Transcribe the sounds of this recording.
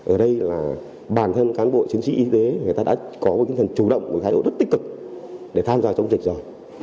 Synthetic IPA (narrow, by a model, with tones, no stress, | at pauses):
ʔəː˨˩ɗə˧jlaː˨˩ | ɓaː˨˩nt̪ʰə˧nkaː˨˦nɓo̰˧˨t͡ɕi˨˦əŋt͡ɕḭ˧ʔi˧t̪e˨˦ŋə˨˩jt̪aː˧ɗ̰a̰ː˧˥kɔ˨˦mo˨˩˨ŋt̪ʰŋt͡ɕu˧˩ɗə̰˧˨wŋ͡mku˧˩t̪ʰaː˨˦jɗo̰˧˨zə˦˥t̚t̪i˦˥k̚ɨ˨˩k̚ɗe˧˩t̪ʰaː˧mzaː˧t͡ɕɔ˧wŋ͡mzi˨˩k̚zɔ˧˩